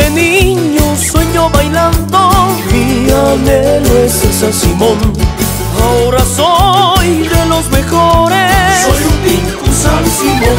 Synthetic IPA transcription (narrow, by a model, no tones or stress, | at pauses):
eniɲosweɲoβajland̪oiameloesesansimõn | aoɾasojðelo̞zme̞xoɾesojunt̪iŋkusansimo